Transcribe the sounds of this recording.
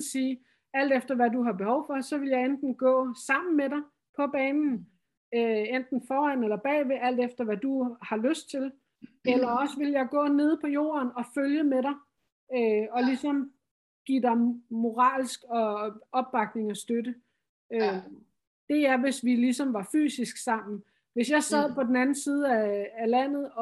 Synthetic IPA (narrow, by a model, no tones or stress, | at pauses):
siː | æl̰d̥efd̥ɐʋæduɦɑ̈b̥e̝hɒʊ̰fɒ̽sɒ̽ʋe̝ljɑ̈ɪend̥n̩ɡ̥ɔ̰̽ːsɑ̈m̰n̩meɾɑ̈ɪ | pʰɒ̽b̥ɛːnn̩ | øend̥n̩fɒːænelɐb̥ɛ̰ːʋe̝ʔæl̰d̥efd̥ɐʋæd̥uhɑ̈løsd̥̚t͡sʰe̝l | elɐɒ̽səʋe̝ljɑ̈ɪɡ̥ɔ̰̽ːne̝ð̞ˠpʰɒ̽jo̝̰ːɐnɒ̽føljəmeɾɑ̈ɪ | øɒ̽lisɒ̽m | ɡ̥ḭd̥ɑ̈ɪmo̝ʁɑ̰̈ːlsɡ̥ɒ̽ɒ̽b̥ːɑ̈ɡ̥ne̝ŋɒsd̥øɾə | ø | d̥e̝æɐʋe̝sʋilisɒ̽mʋɑ̈fy̰ːsisɡ̥sɑ̈m̰n̩ | ʋe̝sjɑ̈ɪsɛð̰ˠpʰɒ̽d̥enænn̩siːð̞ˠəæːlæn̰ð̞̩ˠɒ